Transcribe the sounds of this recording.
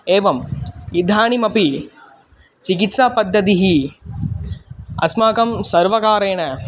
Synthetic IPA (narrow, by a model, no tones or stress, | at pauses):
eːʋɐmid̪ʱaːɳimɐpi | t͡ʃikit̪sapɐd̪ːɐt̪̬iɦi | ɐ̰smaːkɐmsɐɾʋɐkaːɾeːɳɐ